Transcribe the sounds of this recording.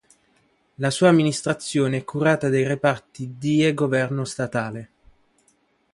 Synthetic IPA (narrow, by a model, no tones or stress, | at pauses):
lasuːamːinist̪ɾat̪sːjoːneɛkʰːuɾaːt̪ad̪ejrepart̪id̪ieɡovɛrnost̪at̪aːle